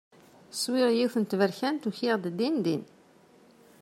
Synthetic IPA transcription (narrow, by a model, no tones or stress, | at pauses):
swɪʁjiwθənt̪vəɾçænt̪uçiʁd̪d̪ːind̪in